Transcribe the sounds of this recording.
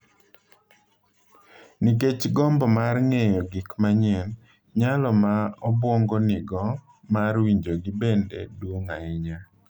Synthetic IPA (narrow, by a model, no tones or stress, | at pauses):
niket͡ʃɡɔmbɔmarŋejɔɡɪkmaɲɪɛn | ɲalɔmaɔbwoŋɡonɪɡɔ | maɾwiɲd͡ʒoɡibendedwoŋaɪɲa